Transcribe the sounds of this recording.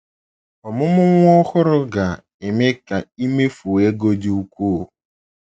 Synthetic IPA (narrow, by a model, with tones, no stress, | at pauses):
ɔ˨mʊ˦mʊ˦ŋʷɔ˦xʊ˦ɾʊ˦ɡa˨ | e˨me˦ka˨i˦me˦fu˨e˦ɡo˦di˦u˦kʷu˦˨